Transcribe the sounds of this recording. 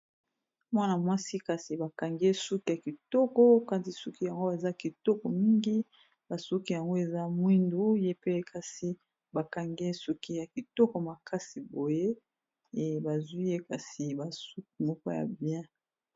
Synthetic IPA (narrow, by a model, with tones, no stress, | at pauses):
mwa˦na˨mwa˦si˦ka˨si˨ba˨ka˨ŋɡe˦su˦ki˦ja˨ki˨tɔ˦kɔ˦ka˦ti˨su˦ki˦ja˨ŋɡo˦a˨za˦ki˨tɔ˦kɔ˨mi˦ŋɡi˦ | ba˨su˦ki˦ja˨ŋɡo˦e˨za˦mwi˦ndu˦je˦pe˦kʰa˦si˦ | ba˨ka˨ŋɡe˦su˦ki˦ja˨ki˨tɔ˦kɔ˨ma˨kʰa˦si˨bo˨je˦ | e˨ba˨zwi˦je˦ka˨si˨ba˨su˦k̚i˨mɔ˦kɔ˦ja̰˨bjɛ̃˦